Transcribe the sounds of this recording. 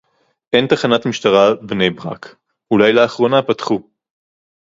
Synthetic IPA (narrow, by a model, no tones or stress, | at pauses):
ʔent̪aχanat̪miʃt̪aʁabne̞jbʁa̰k | ulajlaːχʁo̞napatχu